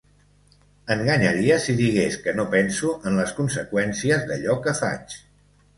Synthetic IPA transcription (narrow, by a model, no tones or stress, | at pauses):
əŋɡəɲəɾiəsiðiɣ̞eskənopɛnsuʔənləskunsəkwɛnsiəzðə̰ʎɔkəfa̰t͡ʃ